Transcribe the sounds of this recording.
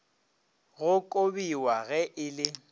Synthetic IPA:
ɣʊkʼobiwaɣɛʔɪlɪ

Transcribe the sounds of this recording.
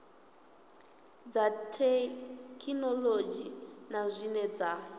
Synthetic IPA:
d͡zatʰɛkʰinɔlod͡ʒinazʷinɛd͡za

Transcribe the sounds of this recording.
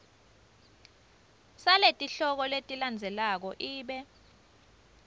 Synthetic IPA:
saletʼiɬɔk̬ɔletʼiland͡zʱɛlak̬ɔʔiːɓɛ

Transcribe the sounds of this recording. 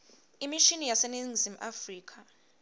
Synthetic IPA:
imiʃinijaseniŋzim̩ʔafriːkʰa

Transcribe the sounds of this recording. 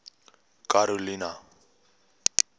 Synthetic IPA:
kaɾolina

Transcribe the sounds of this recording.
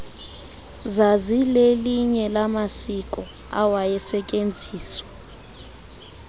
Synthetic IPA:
zazileliɲɛlamasikʼɔ | a̰wajɛsɛcʼend͡zʱiːswḁ

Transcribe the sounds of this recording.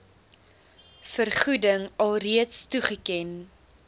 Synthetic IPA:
fərχudəŋɐlˠriətstuχəkɛn

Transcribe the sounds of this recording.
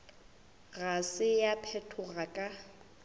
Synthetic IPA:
ɣasɪjapʰɛtʰʊɣakʼa

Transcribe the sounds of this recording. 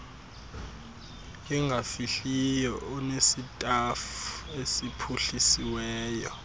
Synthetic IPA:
k̬ʼɛŋɡʱafiɬijɔʔunesitʼafuesipʰuɬisiwɛːjɔ

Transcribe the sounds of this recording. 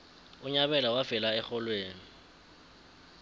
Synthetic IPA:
ʊɲaβɛlawafɪlaɛχɔlweːŋ̩

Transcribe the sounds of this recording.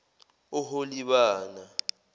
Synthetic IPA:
ʊɦoliɓaːna

